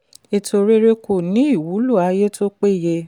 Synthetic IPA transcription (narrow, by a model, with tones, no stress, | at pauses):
e˧to˧ɾe˦ɾe˦ko˦˨nĩ˨˦i˦˨wu˨˦lu˦˨a˨˧je˦to˦k͡pe˦˨je˧